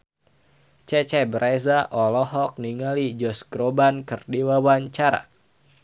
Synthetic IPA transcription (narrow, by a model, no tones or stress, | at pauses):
t͡ʃɛt͡ʃɛbəɾʔezaʔɔlɔɦɔk̚niŋalid͡ʒɔsɡɾobankərdiwawaɲt͡ʃaɾa̰